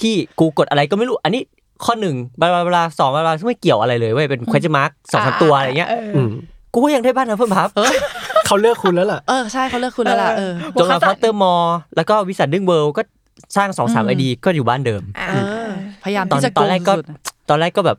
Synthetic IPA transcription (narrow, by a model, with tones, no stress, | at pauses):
t̪ʰiː˥˩kuː˧ko˨˩t̪̚ʔa˧ɾa˧jkɔː˥˩ma˥˩jɾuː˦˥˩ʔa˧nːiː˦˥ | kʰɔː˥˩nɯ˨˩ŋba˧baː˧˩ba˧laː˧sɔː˩˦ŋbaː˧aː˧kʰɯ˥˩ma˥˩jki˨˩əwʔa˧ɾa˧jlɤː˧jwa˥˩jpe˧nkʰe˧˦˥t͡ɕa˧ma˦˥k̚sɔː˩˦ŋsaː˩˦mt̪u˧ʔŋi˦˥˧ʔʔɯː˧˩kuː˧˥˩ja˧ŋda˥˩˨baː˥˩nʰa˦˥pʰɤ˥˩mpʰa˦˥p̚ːkʰa˥˩wlɯ˥˩əkʰːu˧nlɛː˦˥wla˨˩ʔʔɤː˧t͡ɕʰa˥˩jkʰa˥˩wlɯ˥˩kʰu˧nlɛ˦˥la˨˩ʔːt͡ɕo˨˩laː˧ɔ˦˥t̪ːɤː˥˩mɔː˧lɛː˦˥wkɔː˥˩wi˦˥sa˨˩dɯ˥˩ŋwɤː˧wkɔː˥˩ | saː˥˩ŋsɔː˩˦ŋsa̰ː˩˦mʔa˧jdiː˧kɔː˥˩juː˨˩baː˥˩ndɤː˧mʔɯː˧˩˧pʰa˧jaː˧mɔː˦˧n˨t̪ɔː˧ɾɛː˥˩kːɔː˥˩t̪ɔː˧nɾɛː˥˩kːɔː˥˩bɛː˨˩p̚